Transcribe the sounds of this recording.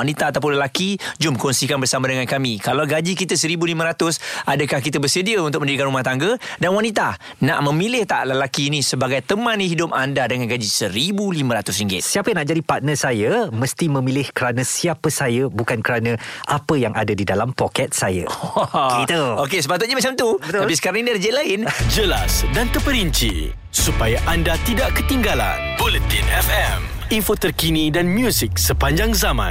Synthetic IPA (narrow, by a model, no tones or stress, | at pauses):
anit̪aːt̪ap̬ʊnləlakid͡ʒʊmkɔnsikanbərsamãdəŋãnkamikalawɡad͡ʒikit̪əsəɾibulimə̃ɾat̪ʊsadəkahkit̪əbəsədiəunt̪ʊk̚ə̃ndidikanrumaht̪aŋɡədanwanit̪a | na̰ʔmə̃milɪht̪a̰ʔləlakiːnisəbaɡajt̪əmãnĩɦidʊpandadəŋanɡad͡ʒisəɾibulimə̃ɾat̪ʊsɾiŋɡɪ̰t̪siapəjãnaʔd͡ʒadipat̪̚nəsajəməst̪imə̃milɪhkəɾanãsiapəsajəbukankəɾanə̃ʔapəjaŋʔadadidalampokɛt̪̚sajə̰kit̪əokesəpat̪ʊt̪̚ɲamat͡ʃamt̪ubət̪apisə̥kaɾaŋiniɾəd͡ʒɛʔlaɪnd͡ʒəlasdant̪əpəɾiɲt͡ʃḭ | supajaʔandat̪idaʔkət̪iŋɡala̰nbolut̪ḭnɛfɛm | infot̪ərkinidanmjusik̚səpaɲd͡ʒaŋzamã̰n